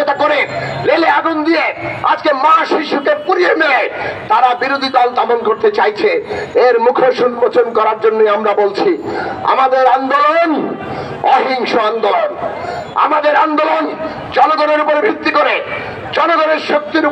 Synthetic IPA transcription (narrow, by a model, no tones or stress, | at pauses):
et̪akoɾeleleaɡund̪ijea̰d͡ʑkemaʃiʃukepuɾiemelet̪aɾabiɾod̪ʱid̪ɔlt̪aponkoɾt̪et͡ɕajt͡ɕʰeeɾmukʰoʃunpot͡ɕonkɔɾaɾd͡ʑonːojamɾabolt͡ɕʰia̰mad̪eɾand̪oloon | ɔɦiŋʃoand̪olona̰mad̪eɾand̪olon | d͡ʑɔnoɡ̪oneɾupoɾbʱit̪ːikoɾe | d͡ʑɔnoɡ̪oneɾʃok̚t̪iɾu